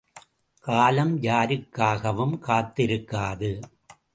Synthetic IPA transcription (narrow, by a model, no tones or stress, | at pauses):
kaːlɐmjaːɾɯkːaːɣɐʋɯmkaːt̪ːɪɾɯkːaːðɯ